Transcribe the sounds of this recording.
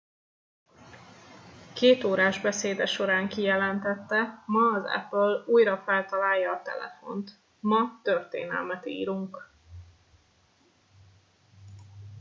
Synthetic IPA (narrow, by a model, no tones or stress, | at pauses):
keːt̪oːɾaːʒbɛseːd̪ɛʃo̞ɾaːŋkijɛlɛnt̪ɛt̪ːɛmɒːzɛ̰pøluːjɾɒfɛlt̪ɒlaːjːɒːt̪ɛ̰lɛ̰fo̞̰nt̪ | mɒt̪ørt̪ḛːnɛ̰lmɛt̪ḭːɾuŋk